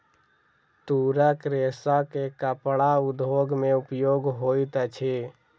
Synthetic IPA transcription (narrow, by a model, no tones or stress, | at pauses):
t̪uɾəkɾesakekəpɽaud̪ʱoːɡmeupjoːɡɦoit̪ət͡ʃʰe